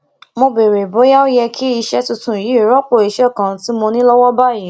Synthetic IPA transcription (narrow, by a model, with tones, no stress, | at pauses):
mo˧be˨ɾe˨bo˨˦ja˦o˦jɛ˧kʰi˦i˧ʃɛ˦tu˧tũ˧˨i˨ji˨˦˨ɾɔ˦k͡po˦˨i˨ʃɛ˦˨kã˨˦ti˦mo˧nĩ˦lɔ˦wɔ˦ba˦˨ji˨˦